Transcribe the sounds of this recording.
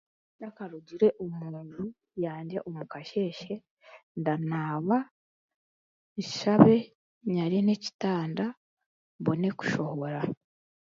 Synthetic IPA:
ndakaɾuɟiɾe̞ʔomuːndu | jaːɲɟe̞̰ʔomukaʃe̞ːʃe̞ | ndanaːβa | ʃaβe̞ | ɲaɾene̞ci̥taːnda | βo̞ne̞ku̥ʃo̞ho̞ɾa

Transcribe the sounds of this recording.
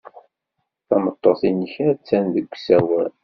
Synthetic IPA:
θɑmət̪ˤːɑsˤinçæt͡sːænðəɡʷːsæwæl

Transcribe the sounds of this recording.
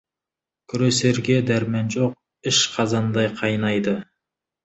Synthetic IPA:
kʲʰʏɾese̞ɾɡʲe̞d̪æɾmænʒo̞q̚ | ɪʃqʰɑzɑnd̪ɑjqʰɑjnɑjd̪ə

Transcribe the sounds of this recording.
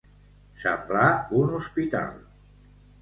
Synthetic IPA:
səmblaunuspit̪a̰lˠ

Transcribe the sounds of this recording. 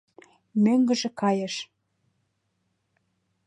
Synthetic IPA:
møŋɡə̆ʒĕkɑjəʃ

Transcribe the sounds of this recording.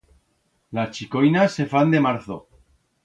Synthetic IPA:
last͡ʃiko̞jnasːe̞fand̪e̞maɾθo̰

